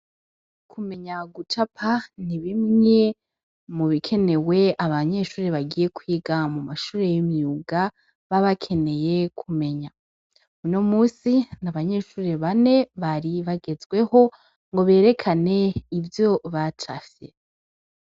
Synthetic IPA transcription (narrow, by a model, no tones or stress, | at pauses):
kʰume̞ɲaɡut͡ʃapʰaniβimŋe̞ | muβikʰe̞ne̞we̞aβaɲe̞ʃuːɾeβaɡije̞kwiːɡamumaʃuːɾe̞jimuɡa | βaβakʰe̞ne̞je̞kʰume̞ɲa | uno̞muːsinaβaɲe̞ːʃuːɾeβane̞βaɾiβaɡe̞zɡwe̞ho̞ | ŋɡo̞βe̞ːɾe̞kʰane̞ivjo̞βat͡ʃafjḛ